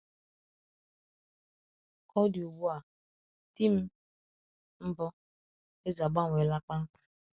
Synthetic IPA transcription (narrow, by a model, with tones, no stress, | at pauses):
ɔ˦di˨u˨ɡ͡bu˦a˨ | ti˦m̩˦ | m̩˦bɔ˦ | e˦za˨ɡ͡ba˦˨ŋʷe˨la˦k͡pa˦ŋ͡m̩˦k͡pḁ˦